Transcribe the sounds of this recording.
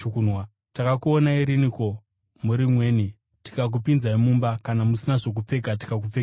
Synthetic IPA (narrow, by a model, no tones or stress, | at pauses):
unwa | takakuonaiɾiniko̞ | muɾimwe̞ːni | ti̥kak̬upinzaimumbakanamusinaʐo̞k̬up͡fe̞ɡʱati̥kak̬up͡feɡ